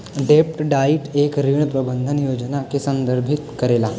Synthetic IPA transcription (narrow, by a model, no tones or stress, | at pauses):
ɖep̚ʈɖaiʈekɾiɳ̃pɾəbənd̪ʱənjod͡ʑənakesənd̪əɾbʱit̪kəɾela